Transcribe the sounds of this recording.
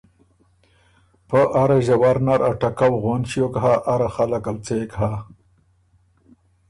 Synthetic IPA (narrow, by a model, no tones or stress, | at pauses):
pəʔaɾaʒawaɾnaɾaʈakawɣonɕjokɦaʔaɾaxalakalt͡sekɦa